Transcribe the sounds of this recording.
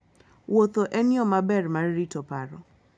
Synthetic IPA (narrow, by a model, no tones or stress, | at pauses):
wot̪oʔɛnjɔmabɛrmarːitɔpaɾɔ